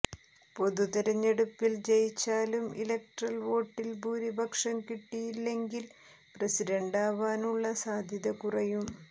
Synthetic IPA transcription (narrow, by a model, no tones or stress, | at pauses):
po̞ðut̪iɾɐɲːe̞ɽupːilt͡ɕejit͡ɕːaːlumilek̚ʈrɐlʋo̞ːʈːilbuːɾibʱɐkʂɐmkiʈːijilːe̞ŋɡil | presiɾɐɳɖaːʋaːnuɭːɐsaːd̪ʱjɐðɐkurɐjum